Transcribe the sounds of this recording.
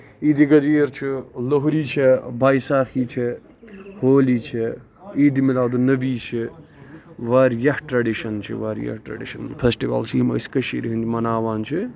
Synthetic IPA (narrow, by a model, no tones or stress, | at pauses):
iːd̪iɡɐd̪iːɾt͡ʃʰiloɦuɾit͡ʃʰibajsaːkʰit͡ʃʰi | hoːlit͡ʃʰi | iːd̪imilaːd̪unɐbiːt͡ʃʰi | ʋaɾjɐhʈɾɐɖiʃɐnt͡ʃʰḭʋaːɾjɐ̰hʈɾɐ̰ɖḭʃɐnpʰesʈiʋɐ̰lt͡ʃʰimɐ̰skɐʃiɾiɦɨnt͡ʃʰimɐnaːʋaːnt͡ʃʰi